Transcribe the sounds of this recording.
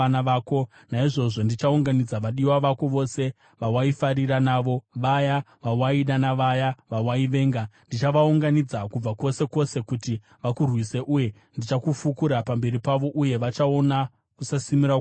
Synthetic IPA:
naʋako̞ | naiʐo̞ʐo̞ndit͡ʃauŋɡanid͡zaʋaɗiwaʋakoʋo̞se̞ | ʋawaifaɾiɾanaːʋo̞ʋaja | ʋawaiɗanaʋajaʋawaiʋe̞ːŋɡandit͡ʃaʋauŋɡanid͡zakub͡vako̞se̞ko̞se̞kuti | ʋakurwise̞ʔuje̞ | ndit͡ʃakufukuɾapambe̞ɾipaʋo̞ʔuje̞ʋat͡ʃao̞na | kusasimiɾa

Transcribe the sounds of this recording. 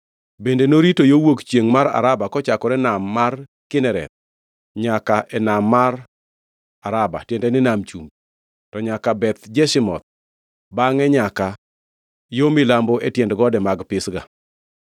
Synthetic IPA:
bendenoɾitojowokt͡ʃjeŋmaɾa̰ɾabakɔt͡ʃakɔɾɛnamːar | kɪnɛɾɛ̰t̪̚ | ɲakaʔɛnamːar | aɾaba̰tjendɛnɪnamt͡ʃum | tɔɲakabɛt̪d͡ʒɛʃɪmɔ̰t̪̚ | baŋɛɲaka | jomɪlambɔɛtjɛndɡɔdɛmaɡpɪsɡa̰

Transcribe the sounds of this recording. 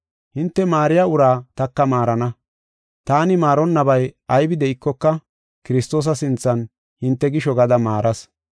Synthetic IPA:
hɪnt̪ːɛmaːɾɪjaːʊɾaːt̪ɐkːɐmaːɾɐnɐ | t̪aːnɪmaːɾɔnːɐbɐjɐjbɪd̪ɛʔɪkːɔkːɐ | kɪɾɪst̪o̞ːs̬ɐsɪnt͡sːɐn | hɪnt̪ːɛɡɪʃɔɡɐd̪ɐmaːɾɐs

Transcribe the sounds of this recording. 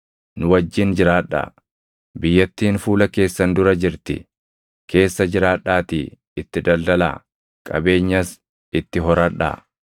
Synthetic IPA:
nʊwɐd͡ʒːɪnd͡ʒɪɾaːᶑːa̰ | bɪjːɐt̪ːiːnfuːlɐke̞ːsːɐnd̪ʊɾɐd͡ʒɪɾt̪ɪ̰ | kʰe̞ːsːɐd͡ʒɪɾaːᶑaːt̪iː | ɪt̪ːɪd̪ɐld̪ɐla̰ː | kʼɐ̰be̞ːɲːɐs | ɪt̪ːɪɦɔɾɐᶑːa̰ː

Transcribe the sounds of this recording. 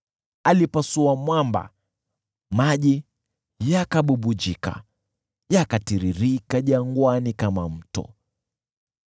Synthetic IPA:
alipasuamwamba̰ | maʄi | jakaɓuɓud͡ʒika̰ | jakatiɾiɾikaʄaŋɡwanikamam̩tɔ̰

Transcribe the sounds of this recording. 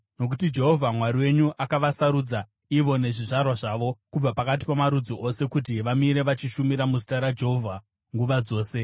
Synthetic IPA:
no̞k̬utid͡ʒe̞ɦo̞vʱamwaɾiwe̞ɲuʔakaʋasaɾud͡za | iʋo̞ne̞ʐiʐarwaʐaːʋo̞kub͡vapakat̬i̥pamaɾud͡ziʔo̞se̞kut̬iʋamiɾe̞ʋat͡ʃiʃumiɾamuzitaɾad͡ʒe̞ɦovʱa | ŋɡuʋad͡zo̞ːse̞

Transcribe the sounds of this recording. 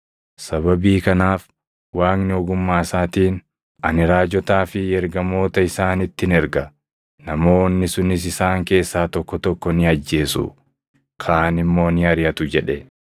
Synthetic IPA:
sɐβɐbiːkɐnaːf | waːknɪɔɡʊmːaːsaːt̪iːn | ʔɐnɪɾaːd͡ʒɔt̪aːfɪɛɾɡɐmo̞ːt̪ɐɪsaːnɪt̪ːɪnɛɾɡɐ | nɐmo̞ːnːɪsʊnɪs̬ɪsaːŋke̞ːsːaːt̪ɔkːɔt̪ɔkːɔnɪɐd͡ʒːe̞ːsʊ̰ | kʰaːnɪmːo̞ːnɪɐɾɪjɐt̪ʊd͡ʒɛᶑɛ

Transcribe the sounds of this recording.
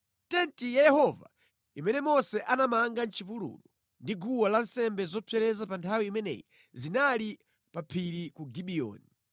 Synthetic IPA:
tɛntijajɛhɔva̰ | imɛnɛmɔsɛʔanamaŋɡan̩t͡ʃipulṵlu | ndiɡuwalansɛmbɛzɔpʰɛɾɛzapantʰawiːmɛnɛ̰ji | zinali | papʰiɾikuɡiɓiɔ̰ːni

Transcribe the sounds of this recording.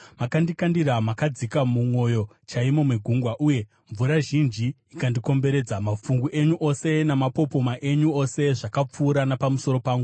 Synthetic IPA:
makandikandiramakad͡zikamumwo̞jo̞ | t͡ʃaimo̞mweɡʱuŋɡwaʔuːje̞ | ɱvuɾaʒind͡ʒi | ikandiko̞mbe̞ɾe̞ːd͡zamafuŋɡuʔe̞ɲuʔo̞se̞namapo̞po̞maʔe̞ɲuo̞se̞ʐakap͡fuːɾanapamuso̞ɾo̞paːŋɡu

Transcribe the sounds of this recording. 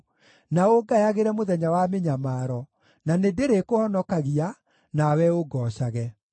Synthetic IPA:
naoɡajaɣeɾɛmoðɛɲawameɲamaːɾɔ | nanedeɾekohɔnɔkaɣia | nawɛoɡɔɕaɣɛ

